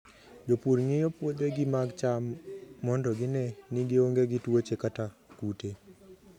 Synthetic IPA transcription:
d͡ʒopuɾŋejopwod̪eɡɪmaɡt͡ʃamːɔndɔɡɪnɛnɪɡɪoŋɡeɡɪtwot͡ʃekatakute

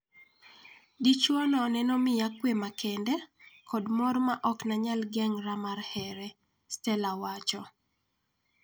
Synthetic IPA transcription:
dit͡ʃɔnɔnɛnɔmɪjakːwemakʰɛndɛkʰɔdmɔrmaʔɔknaɲalɡɛŋɾamarhɛɾɛ | stɛlawat͡ʃɔ

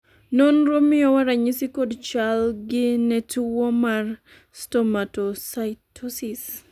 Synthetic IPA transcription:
nɔnɾomɪɔwaɾaɲisikodt͡ʃalɡɪnɛtuwɔmar | stɔmatosajtʰɔsis

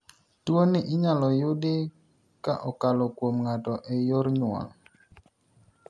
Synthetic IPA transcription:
tuoniʔɪɲalɔjʊdɪ | kaʔɔkalɔkwomŋatɔʔɛjɔɾɲwa̰l

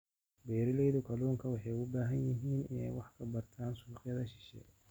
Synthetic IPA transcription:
bɛːɾɐlɛjðʊkʰɐlɔːŋkʰɐwɑħɑjʊbaːɦɐnjɪɦiːnɪ̰nɛ̰jwɑħkʰɐbɐrt̪ʰaːnsʊlqjɐðɐʃɪ̥ʃɛ̰ː

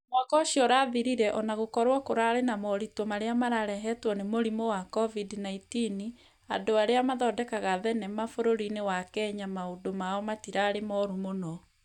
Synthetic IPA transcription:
mwakɔɕiɔɾaðiɾiɾɛʔɔnaɣokɔɾwɔkoɾaɾenamɔɾitwɔmaɾeamaɾaɾɛɦɛtwɔnemoɾimowakɔvidnaitini | a̰ndoaɾeamaðɔdɛkaɣaðɛnɛmafoɾoɾinewakɛɲamaodomaɔmatiɾaɾemɔɾumonɔ

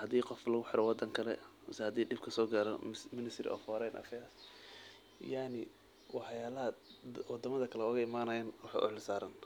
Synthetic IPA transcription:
hɐd̪iːqɔflɐɣʊħɪɾɛwɑd̪ɐŋkʰɐlɛmshɐd̪iːɖɪb̚kʰɐsɔːɡaːɾɔmɪnɪst̪ɾɪ̰ʔɔ̰ːfɔɾɛjnʔɐ̰fɛjas | jaʕnɪ | wɑħjaːlɐɦɐwɑd̪ɐmɐðɐkʰɐlɛɔɣɐɪmaːnɐjanwɑħɑ̰ʔʊ̰ʕlɪsaːɾɐn

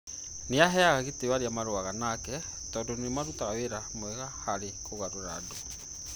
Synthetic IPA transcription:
neaɦɛaɣaɣetewaɾeamaɾoaɣanakɛ | tɔːndɔnemaɾutaɣaweɾamwɛɣahaɾekoɣaɾoɾaːdo

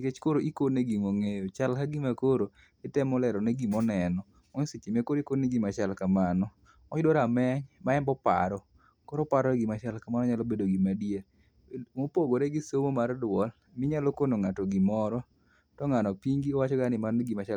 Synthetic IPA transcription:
ket͡ʃkoɾoʔikoneɡimoŋejot͡ʃalkaɡimakoɾo | ɪtɛmɔlɛɾɔneɡimɔnɛnɔ | ɔɲsit͡ʃimekoɾikoneɡimat͡ʃalkamanɔ | ɔɲdoɾamɛɲmaɛmbɔpa̰ɾɔ | koɾɔpaɾɔɡɪmat͡ʃalkamanɔɲalobedoɡimadia | mopoɡoɾeɡɪsomomardwɔl | mɪɲalokonoŋatɔɡimɔɾɔ | tɔŋanɔpiŋɡiɔwat͡ʃɔɡanɪmaneɡimat͡ʃa

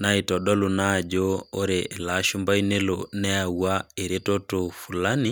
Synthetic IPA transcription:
naitɔɗɔlunad͡ʒooɾeːlaʃumbainelonɛawaeɾetotofulani

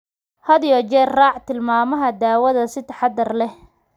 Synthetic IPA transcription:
hɐðijɔt͡ʃɛrraːʕt̪ɪlmaːmɐɦɐd̪aːwɐðɐsɪt̪ʰɐ̥ħɑd̪ɐrlɛh

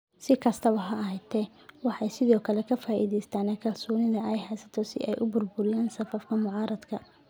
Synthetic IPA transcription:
sɪkʰɐst̪ʰɐβɐɦɐɐɦɛjt̪ʰɛ | wɑħɑjsɪðɔːkʰɐlɛkʰɐfaːʔiːðɛjst̪ʰaːnɛkʰɐlsɔːnɪðɐɛjhɛjsɐt̪ʰɔsɪ̰ʔɛ̰jʔʊbʊrbʊɾɪjaːnsɐfɐfkʰɐmʊʕɑːɾɐd̪kʰɐ

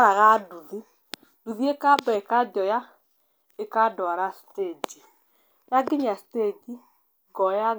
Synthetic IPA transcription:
aɾaɣaduði | duðiekabɛekad͡ʒɔja | ekadɔaɾasted͡ʒi | jaɡɪɲasi̥ted͡ʒi | ɡɔja

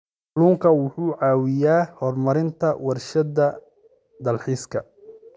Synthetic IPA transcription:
luːŋkʰɐwʊħuːʕɑːwɪjaːhɔrmɐɾɪnt̪ʰɐwɐrʃɐd̪ɐ | d̪ɐlħiːskʰɐ

